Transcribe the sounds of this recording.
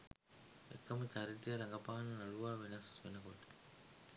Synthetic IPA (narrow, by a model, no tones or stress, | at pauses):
ḛkːɐmət͡ʃaɾit̪ijɐɾɐŋɡɐpaːɐnɐnɐluʋaːʋenɐsʋenɐkoʈə̥